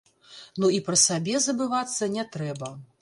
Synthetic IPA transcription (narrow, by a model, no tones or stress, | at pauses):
nuipɾɐsabʲɛzɐbɨvat̪sːɐnʲɛt̪ɾɛbɐ